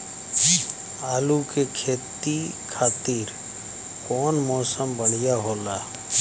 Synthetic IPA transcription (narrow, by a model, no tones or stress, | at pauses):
aːlukekʰeːt̪i | kʰaːt̪iːɾ | kɔːnmɔːsəmbəɽ̤ɪjaɦoːlaː